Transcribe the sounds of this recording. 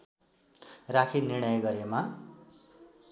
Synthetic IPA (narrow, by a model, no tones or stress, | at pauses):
rakʰinirɽ̃ʌjɡʌɾema